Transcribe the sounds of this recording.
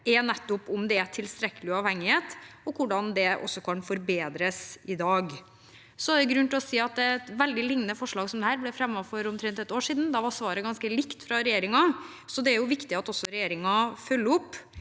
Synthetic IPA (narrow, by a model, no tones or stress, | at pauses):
ɛnɛt̪ːʊpʊmd̪ɛæʈ̪ʰɪlst̪ɾɛkːəlɪʊɑʋhɛŋːɪheːt̪ɔkʰʊɖɑnd̪ɛʔɔ̰sːɔkʰɑnfɔɾbeːd̪ɾəsɪd̪ɑːɡ | sɔæɾɛɡɾʉnt̪ɪlɔsiːɑt̪̚d̪ɛt̪ʋɛld̪ɪlɪŋnnəfɔʂɭɑːɡsɔmd̪ɛhæːɾblɛfɾɛmːɑfɔɾʊmt̪ʰɾɛnt̪ɛt̪oːʂiːd̪n̩d̪ɑʋɑsʋɑːɾəɡɑnskəlɪkt̪fɾɑɾɛjeːɾɪŋɑ | sɔd̪ɛæɾjʊʋɪkt̪ɪɑt̪ɔsːɔɾɛjeːɾɪŋɑfœlːəʊpː